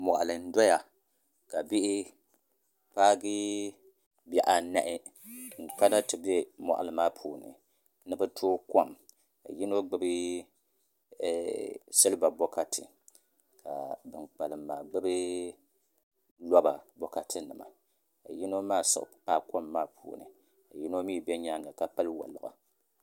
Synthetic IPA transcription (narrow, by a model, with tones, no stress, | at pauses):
mɔ˨ʔa˨lɨ˨n̩˦dɔ˦ja˨ | ka˨bi˦ʔɪ˦ | paː˦ɡi˦ | bɛ˨ʔa˨na˦ʔɪ˦ŋ̩˨k͡pa˦na˦tɨ˨bɛ˦mɔ̰˨ʔa̰˨lɨ˨maː˦pʰuː˨nɨ̰˨ | nɨ˦bɨ˦tʰoː˦kɔ˦˨m | ka̰˨ji˦no˦ɡ͡bɨ˦bɨ˦˨ | sɨ˦lɨ˦ba˨bɔ˦ka˦tʰɨ̰˨ | ka̰˨bɨ˨nk͡pa˨lɨ˨mːaː˨ɡ͡bɨ˦bɨ˦ | lɔ˦ba˨bɔ˦ka˨tʰɨ˦nɨ˨ma̰˨ | ka̰˨ji˦no˦maː˦˨sɨ̰˨ʔpaː˦˨kɔ˦mːaː˦pʰṵː˨nɨ̰˨ | ka˨ji˦no˦miː˦bɛ˦ɲa˦ŋɡa˨ka˨pa˦lwa̰˨lɨ̰˨ʔa̰˨